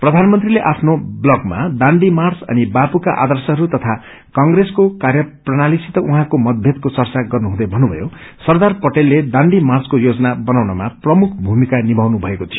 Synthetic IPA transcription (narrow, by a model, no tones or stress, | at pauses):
prʌd̪ʱanmʌnt̪rileʔapʰnoblʌɡma̰d̪aɳɖimart͡sʌ̰nibapukaʔa̰d̪ʌrsʌɦʌɾut̪ʌt̪ʰa | kʌŋɡreskokarjʌprʌnalisit̪ʌʔuɦãkomʌd̪̚bʱjet̪̚kot͡sʌrt͡saɡʌrnuɦũd̪ʌjbʱʌnːubʱʌjosʌrd̪arpʌʈelːed̪aɳɖimarskojod͡zʌnabʌnawnʌmaprʌmukʰbʱumikanibʱawnubʱʌekot̪ʰijo